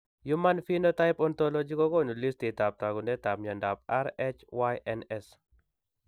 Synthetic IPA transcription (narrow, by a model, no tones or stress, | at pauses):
jumanfinɔtaɪpɔnt̪ɔlɔd͡ʒikɔkɔnulist̪it̪ap̚t̪aɡunɛt̪ap̚ɲandap̚aɾɛt͡ʃwajʔɛnɛs